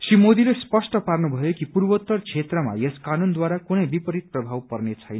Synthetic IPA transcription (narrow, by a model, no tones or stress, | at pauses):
srimod̪ilespʌsʈʌparnubʱʌjokipurbʌt̪ːʌrt͡sʰet̪rʌma̰jeskanund̪waɾakunʌjbipʌɾit̪̚prʌbʱawpʌrnet͡sʰʌjn